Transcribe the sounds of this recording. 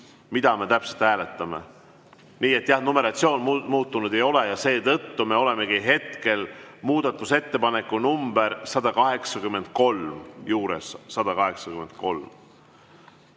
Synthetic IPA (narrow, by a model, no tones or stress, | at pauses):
mid̪ɑme̞t̪æpse̞lt̪hæːle̞t̪ːˑɑme̞̰ | niːe̞t̪ːˑjɑhnome̞ɾɑt̪sio̞ːnmuːt̪ːˑunud̪̥e̞jo̞lejɑse̞ːt̪ɤt̪ːume̞o̞le̞me̞ɡiɦe̞t̪ke̞lmuːd̪̥ɑt̪ˑːuse̞t̪ːe̞pɑne̞kːˑunumb̥eɾsɑd̪̥ɑkɑɦe̞ksɑkymːe̞nd̪̥̚ko̞lmjuːɾe̞̰sːɑd̪̥ɑkɑɦe̞ksɑkyme̞nd̪̥̚ko̞lm